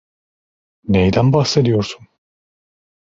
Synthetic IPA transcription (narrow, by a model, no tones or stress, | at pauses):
nejd̪ænbaxse̞d̪ijo̞ɾsun